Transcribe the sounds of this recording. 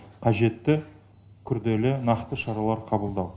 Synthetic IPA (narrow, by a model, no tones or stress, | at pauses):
qʰɑʒe̞t̪ːɪ | kʲʰʏɾd̪e̞lɪnɑqt̪əʃɑɾɑlˠɑɾqʰɑbəlˠd̪ɑw